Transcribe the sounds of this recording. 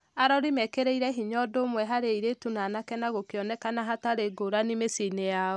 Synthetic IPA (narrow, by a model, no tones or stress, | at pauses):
aɾɔɾimɛkeɾeiɾɛɦiɲɔdomwɛɦaɾeiɾetunanakɛnaɣokeɔnɛkanaɦataɾeɡoɾanimesinejaɔ